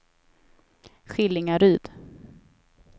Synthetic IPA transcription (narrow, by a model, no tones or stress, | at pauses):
ɧɪlɪŋaɾyːd̪̥